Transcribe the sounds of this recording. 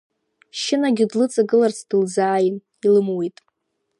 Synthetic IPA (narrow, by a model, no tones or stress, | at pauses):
ʃɪnaɡʲɪdlɨt͡sʼaɡɨlart͡sʰd̥ɨld͡zaːjɪn | ilɨmwejtʼ